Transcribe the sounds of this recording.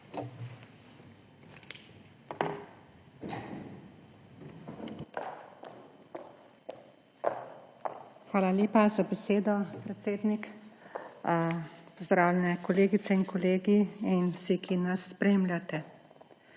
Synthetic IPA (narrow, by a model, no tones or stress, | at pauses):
xʋaːlalʲeːpazabɛseːd̪ɔpɾɛt̪seːd̪nik | pɔzd̪ɾaːwlʲɛnɛkɔleːɡit̪sɛinkʰɔleːɡiinsikinasːpɾeːmljat̪ɛ